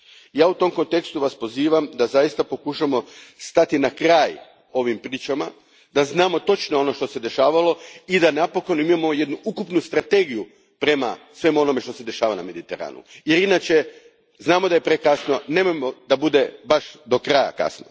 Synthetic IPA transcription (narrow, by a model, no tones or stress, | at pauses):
jaːut̪o̞mko̞nt̪e̞kst̪uʋaspo̞ziːʋamd̪azajist̪apo̞kuʃamo̞st̪at̪inakɾaːj | o̞ʋimpɾiːt͡ʃama̰ | d̪aznaːmo̞t̪o̞t͡ʃnoo̞no̞ʃt̪o̞se̞d̪e̞ʃaːʋalo̞id̪anapo̞ko̞noimamo̞je̞d̪nuukupnust̪ɾat̪e̞ɡiju | pɾe̞ma̰sʋe̞mo̞no̞meʃt̪o̞se̞d̪e̞ʃaːʋana̰me̞d̪it̪e̞ɾa̰ːnṵje̞ɾinat͡ʃe̞ | znaːmod̪aje̞pɾekasno̞neːmojmo̞d̪abud̪e̞baʃd̪o̞kɾaja̰ka̰sno